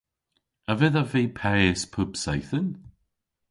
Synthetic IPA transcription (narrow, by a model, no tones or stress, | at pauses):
əvɛðavejpʰɛɪspʰʊbsajθən